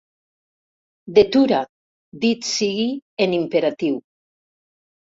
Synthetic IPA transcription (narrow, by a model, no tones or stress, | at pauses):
d̪et̪uɾa | d̪it̪siɣienimpeɾat̪iw